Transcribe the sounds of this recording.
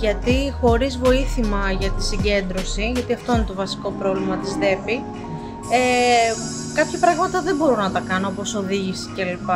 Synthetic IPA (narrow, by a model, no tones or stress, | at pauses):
ʝɐt̪ixo̞ɾizvo̞iθimɐʝɐt̪i̥siɟe̞nd̪ɾo̞siʝɐt̪iɐft̪oine̞t̪o̞vɐsi̥ko̞pɾo̞vlimɐt̪izðe̞pi | e | kɐpçɐpɾɐɣmɐt̪ɐðembo̞ɾunɐt̪ɐkɐnoo̞po̞so̞ðiʝisi̥celipɐ